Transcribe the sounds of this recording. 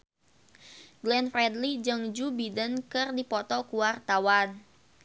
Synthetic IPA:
ɡlɛnfrɛdlid͡ʒəŋd͡ʒubidənkɨrdipɔt̪ɔkuwart̪awan

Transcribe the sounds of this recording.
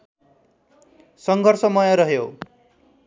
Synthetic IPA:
sʌŋɡʱʌrsʌmʌjʌɾʌɦjo

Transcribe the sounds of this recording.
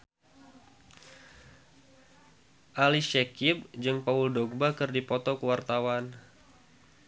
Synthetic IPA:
ʔaliʃɛkib̚d͡ʒɨŋpauldoɡ̚bakɨrdipɔt̪ɔkəwart̪awan

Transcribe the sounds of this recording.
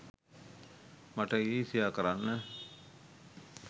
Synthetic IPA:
maʈəiːsijaːkəɾanːə

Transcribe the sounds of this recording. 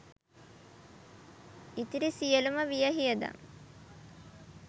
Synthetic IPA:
it̪iɾisijəluməʋijəɦijəd̪a̰ŋ

